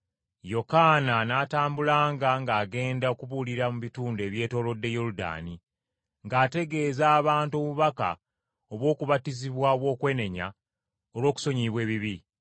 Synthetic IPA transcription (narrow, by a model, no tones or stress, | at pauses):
jo̞kananaːtaːmbulaːŋɡaŋɡaːɡe̞ːndaokuβuliɾamuβituːnde̞βje̞ːto̞ːlo̞dːe̞joɾuda̰ːni | ŋɡaːte̞ɡe̞ːzaːβaːntuo̞βuβaka̰ | o̞βwo̞ːkuβatiziβwaoβwo̞ːkwe̞ːne̞ɲa̰ | olwo̞ːku̥so̞ɲiβwe̞ːβiβi